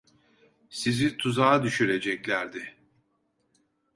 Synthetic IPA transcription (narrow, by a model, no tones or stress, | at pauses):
sizit̪ʰuzaːd̪yʃyɾe̞d͡ʒɛclʲæɾd̪ɪ